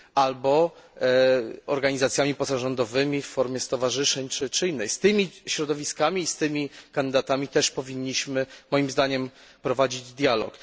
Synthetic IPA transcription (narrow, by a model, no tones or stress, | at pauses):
albɔ | ɔɾɡaɲizat̪sʲjamʲipɔsaʐɔnd̪ɔvɘmʲiffɔɾmʲjɛst̪ɔvaʐɘʂɛɲt͡ʂɘt͡ʂɘinːɛjst̪ɘmʲiɕɾɔd̪ɔvʲiskamʲiːst̪ɘmʲikand̪ɘd̪at̪amʲit̪ɛʂpɔvʲiɲːiɕmɘmɔjimzd̪aɲɛm | pɾɔvad͡ʑid͡ʑd̪ʲjalɔ̰k